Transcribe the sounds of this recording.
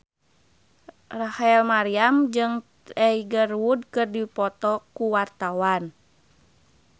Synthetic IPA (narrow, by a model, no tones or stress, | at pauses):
rahɛlmaɾiamd͡ʒɨŋ | ɛiɡərwud̚kɨrdipɔt̪ɔkuwart̪awan